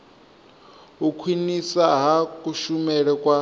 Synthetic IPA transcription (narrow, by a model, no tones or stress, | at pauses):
ɦukʰwinisaɦakʼuʃumɛɺɛkʼwa